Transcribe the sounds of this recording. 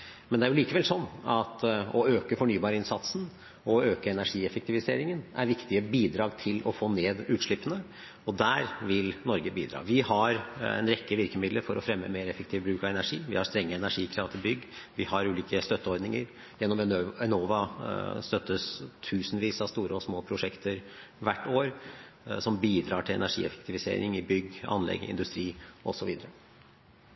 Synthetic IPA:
mɛnd̪ɛæɾjʊliːkəʋɛlsɔnːɑt̪ɔøːkəfɔɳyːbɑːɾəɪnsɑt̪sn̩ | ɔøːkəɛnæʂiːɛfɛkt̪ʰɪʋɪsḛːɾɪŋənæ̰ɾʋɪkt̪ɪəbiːd̪ɾɑːɡt̪ʰɪlɔfoːneːd̪ʉːt̪ʂɭɪpːənə | ɔd̪æːɾʋɪlnɔɾɡəbiːd̪ɾɑ̰ːʋɪhɑɾɛ̰nɾɛkːəʋɪɾkəmɪd̪ləɾfɔɾɔfɾɛmːə̰meːɾɛfɛk̚t̪ʰɪːʋəbɾʉːkɑʋɛnæʂiːʋɪhɑst̪ɾɛŋːəɛnæʂiːkʰɾɑʋt̪ʰɪlbʏɡːʋɪhɑɾʉːliːkəst̪œt̪ːəɔɾd̪nɪŋə̰ɾ | jɛnːɔmɛɛnoːʋɑst̪œt̪ːəst̪ʰʉːsnʋiːsɑʋst̪uːɾəɔsmoːpʰɾʊʂɛkt̪ʰəɾʋæʈːoːɾ | sɔmbiːd̪ɾɑːʈʰɪlɛ̰næʂḭːɛ̰fɛ̥k̚t̪ʰɪʋɪsḛːɾɪ̰ŋɪbʏɡːɑ̰nlɛ̰ɡɪ̰nd̪ʉst̪ɾiːʔɔsɔʋiːd̪əɾə

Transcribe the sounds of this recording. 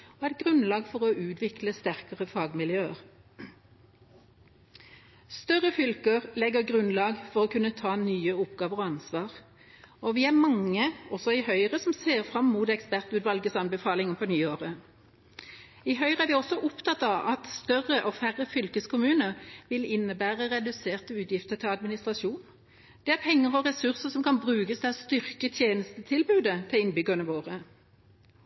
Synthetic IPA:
ɔɛt̪̚ɡʁʉnlɑːɡfɔʁɔʔʉːt̪ʋɪkləst̪æʁkəʁəfɑːɡmɪljøːəʁ | st̪œʁəfʏlkəʁlɛɡəʁɡʁʉnlɑːɡfɔʁɔːkʰʉnːət̪ʰɑːnyːəʊpɡɑːʋəʁɔɑnsʋɑːʁ | ɔʋɪæmɑŋːəɔsɔɪhœʏʁəsɔmseːʁfʁɑmːuːt̪ɛkspæʁt̪ʉːt̪ʋɑlɡəsɑnbɛfɑːlɪŋənpʰɔnyːoːʁə | ɪɦœʏʁəæɾʋɪɔsɔʔʊpt̪ʰɑt̪ːɑʋɑt̪st̪œʁəʔɔfæʁəfʏlkəskʰʊmʉːnəɾʋɪlɪnːəbæːʁəʁɛd̪ʉseːʁt̪əʉːt̪jɪft̪əɾt̪ʰɪlɑd̪mɪnɪst̪ʁɑʃuːn | d̪̥ɛæɾpʰɛŋːəʁɔʁɛsʉʁsəsɔmkɑnbʁʉːkəsd̪ɛɑst̪ʏʁkət̪ʰjeːnəst̪ət̪ʰɪlbʉːd̪ət̪ʰɪlɪnbʏɡɑnəʋoːʁə

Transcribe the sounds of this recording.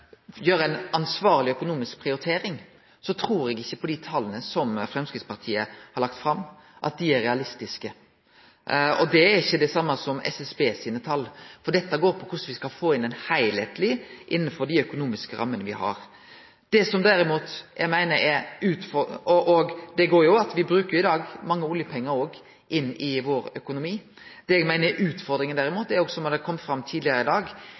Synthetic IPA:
jøːɾəæɪnɑnsʋɑːɾlɪœkʊnuːmɪsk̚pʰɾɪʊɾɪt̪ʰeːɾɪŋ | sɔt̪ʰɾuːɾɛɡɪçːəpʰɔd̪it̪ʰɑlːənəsɔmfɾɛmskɾɪt̪spɑɾt̪ʰiːəhɑɾɭɑk̚t̪fɾɑmːʔɑ̰t̪̚d̪ɪæɾɛɑlɪst̪ɪskə | ɔd̪ɛæɾɪçːəd̪ɛsɑmːəsɔmɛ̰sɛsbeːsiːnət̪ʰɑlːfɔd̪ɛt̪ːəɡoːɾpʰɔkʰʊsʋɪskɑlfoːɪnɛnhæɪlhɛːt̪ʰlɪʔɪnːənfɔɾɖ̪ɪœkʊnuːmɪskəɾʔɑ̰mːənəʋɪ̰hɑ̰ɾ | d̪̥ɛsɔmd̪æɾɪmuːt̪jʔæ̰ɪmæɪnəɾɛɾʉːt̪fɔɔʔɔɡd̪ɛɡoːɾjʊɑt̪ʋɪbɾʉːkəɾjʊɪd̪ɑːɡmɑŋːəʊljəpʰɛŋːəɾoːɡ | ʔɪnːɪʋoːɾœkʊnʊmiː | d̪̥ɛɛɡmæɪnəʔʉːt̪fɔɾd̪ɾɪŋənd̪æɾɪmuːt̪d̪ɛɾoːɡsɔmɑd̪ɛkʰɔmːfɾɑmːt̪ʰiːd̪lɪəɾəɪd̪ɑːɡ

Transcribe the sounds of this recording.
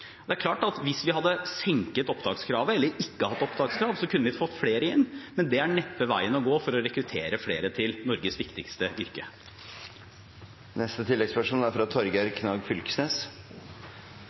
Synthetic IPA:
ɔd̪ɛæɾkʰlɑːʈɑt̪ʋɪsʋɪhɑd̪ːəsɛŋkət̪ɔpd̪ɑːɡskʰɾɑːʋəɛlːəɾɪkːəhɑt̪ːɔpd̪ɑːɡskʰɾɑːʋsɔkʰʉnːəʋɪfɔt̪ːfleːɾəɪnːmɛnd̪ɛæɳɛpːəʋæ̰ɪənɔɡoːfɔɾɔɾɛkɾʉt̪ʰeːɾəfleːɾət̪ʰɪlnɔɾɡəsʋɪkt̪ɪkst̪əʔʏɾkə | nɛst̪ət̪ʰɪlːɛɡspæʂuːnæɾfɾɑt̪ʰɔɾɡɑɾkʰnɑːɡfʏlksneːs

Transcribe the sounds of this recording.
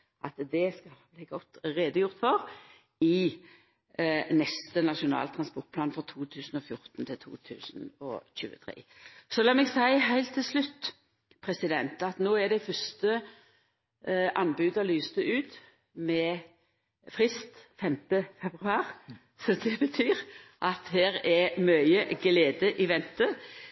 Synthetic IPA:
ʔɑt̪d̪ɛskɑlbliːɡɔt̪ːʁeːd̪əjʊʁt̪fɔʁ | ɪ | nɛst̪ənɑʃʊnɑ̰ːlt̪ʰɾɑnspɔʁt̪̚pʰlɑːnfʁɑt̪ʰuːt̪ʰʉːsn̩ɔfjʊʁt̪nt̪ʰɪlt̪ʰṵːt̪ʰʉ̰ːsənɔ̰çʉ̰ːə̰t̪ʰɾḛːsɔlɑːmɛɡsæɪɦæɪlt̪ʰːɪlslʉt̪ː | pʰɾɛsɪd̪ɛnt̪ɑt̪noːæɖæɪfœst̪ə | ʔɑnbʉːd̪ɔlyːst̪əʉːt̪ | mɛ | fʁɪst̪fɛmt̪əfɛbʁʉɑːɾ | sɔd̪ɛbət̪ʰyːɾʔɑt̪hæːɾɛmœʏəɡleːd̪əʔɪʋɛnt̪ə

